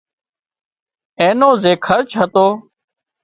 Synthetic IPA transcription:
ẽːnõːzeːkʰəɾt͡ʃʰaːt̪oː

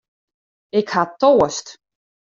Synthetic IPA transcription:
ɪkhatoːəst

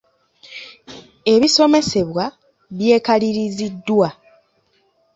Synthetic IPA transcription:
e̞βiso̞me̞se̞βwa | βje̞ːkaliɾizidːwa

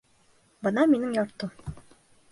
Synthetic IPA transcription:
bɤnɑminɘŋjɒɾt̪ɤ

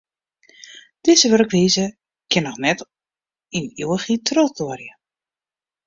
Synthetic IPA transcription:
d̥ɪzəʋørəkriːzə | kʰɪnɔxnɛt | inuwəxitrɔt͡sorjə

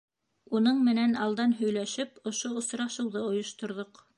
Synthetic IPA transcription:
unɤɴmɘ̆nænɑlˠd̪ɑnɦɵ̆jlæʃɘpŏʃoŏsɾɑʃɤ̆wðɤŏjŏʃt̪ŏɾðoq

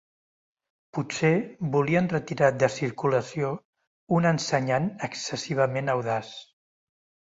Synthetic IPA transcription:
pusebuliənrət̪iɾad̪əsiɾkuləsio | unənsəɲanəksəsiβ̞əmenəwðas

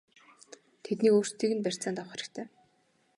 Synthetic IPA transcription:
t̪ʰet̪niːkoːr̥st̪iːɣɘ̆npær̥ʲt͡saːnt̪awχeɾɘ̆kt̪ʰæː

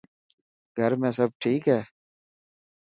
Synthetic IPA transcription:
ɡʱəɾmẽːsəb̚ʈʰiːkɦɛː

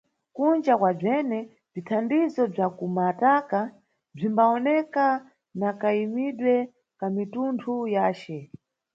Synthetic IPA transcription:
kund͡ʒakwab͡ʐɛnɛ | b͡ʐitʰandizɔb͡ʐakumataka | b͡ʐimbaɔnɛka | nakaimiɗwɛ | kamituntʰujaːt͡ʃɛ

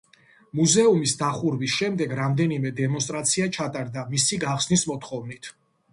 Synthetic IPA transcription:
muzɛumisd̪aχuɾvisʃɛmd̪ɛɡɾamd̪ɛnimɛd̪ɛmɔnst̪ʼɾat̪sʰiat͡ʃʰat̪ʼaɾd̪amisiɡaχsnismɔt̪ʰχɔvnit̪ʰ

